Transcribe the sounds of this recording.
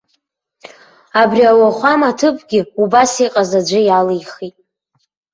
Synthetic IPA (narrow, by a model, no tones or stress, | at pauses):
abriawaχʷamatʰɨpʰʼɡʲɪubasiqʼazad͡ʒʷɨjalijχitʼ